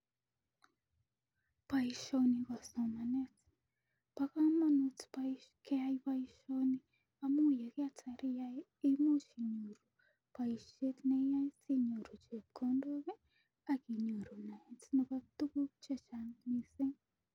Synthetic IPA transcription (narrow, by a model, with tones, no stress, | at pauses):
pa˨iʃo˧ni˧ɣa˨so˨ma˨ne˦t͡si̥ | paɣa˦ma˦no˧t͡si̥paiʃke˦a˧iβa˧iʃo˧ni˧ | amu˦je˨ɣea˦t͡sa˧ɾi˦ja˧ | i˦mu˦ʃi˨ɲu˨ɾu˨ | pa˨iʃe˦tne˧˦ja˦i˦t͡si˦ɲo˨ɾu˨t͡ʃe˨pko˧˦ndo˦ɣe˦ | a˨ki˨ɲu˨ɾu˨na˨e˨t͡si˦no˧ka˧t̪u˦ku˦t͡ʃe˦t͡ʃa˧ni˧se˦